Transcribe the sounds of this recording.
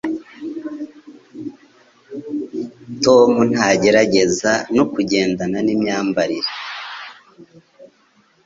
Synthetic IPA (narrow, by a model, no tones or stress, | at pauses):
to̞mun̥haɟe̞ɾaɟe̞zanokuɟe̞ːndananimɲaːmbaɾiɾe